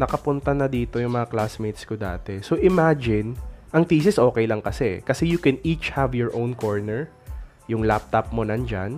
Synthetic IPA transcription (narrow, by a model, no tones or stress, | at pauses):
nɐkɐpʊnt̪ɐnɐd̪iːt̪o̞jʊŋmɐŋaklasmejt̪̚skod̪a̰ːt̪ɛsoʔɪmad͡ʒɪnʔɐŋt̪iːsɪsʔo̞ːkɛjlɐŋkɐsɛkɐsɛjʊkɛnit͡ʃhavjɔɹʔownkoɹnɛɹ | jʊŋlap̚t̪ap̚monɐnd͡ʒa̰n